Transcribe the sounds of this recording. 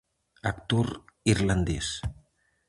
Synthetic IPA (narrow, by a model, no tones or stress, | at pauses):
akt̪oɾiɾland̪ɛs